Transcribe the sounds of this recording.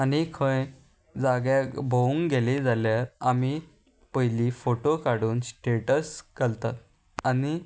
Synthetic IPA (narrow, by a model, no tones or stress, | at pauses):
anikʰə̃j | d͡zaɡjabʱouŋɡɡeled͡zaljaɾami | pəɦjlifoʈokaɽuːnsʈeʈəsɡalt̪at̪̚ | ani